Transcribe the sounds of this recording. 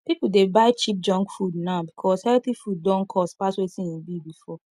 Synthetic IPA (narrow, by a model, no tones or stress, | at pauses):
pipudebaɪt͡ʃip̚d͡ʒɔ̃ŋkfudnaʊbikʰɔshɛltθifud̚dɔ̃nkʰɔstpaswetĩĩnbibifɔ